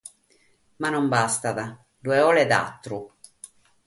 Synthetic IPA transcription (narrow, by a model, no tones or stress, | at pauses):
manɔmbast̪aða | d̪ueɔled̪a̰t̪ːɾu